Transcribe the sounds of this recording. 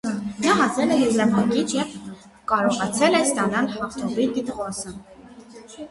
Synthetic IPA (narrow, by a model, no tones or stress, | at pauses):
nɑɦɑt͡sɛlɛjuzlɛvɑŋkit͡ʃʰjɛv | kɑɾɔʁɑt͡sʰɛlɛst̪ɑnɑlhɑχt̪ʰɔviɾɡit̪ʁɔsə